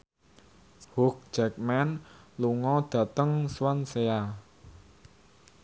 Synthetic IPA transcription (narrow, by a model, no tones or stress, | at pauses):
hʊk̚d͡ʒ̥ɛk̚mɛnluŋɔd̪̥ä̤t̪əŋswansea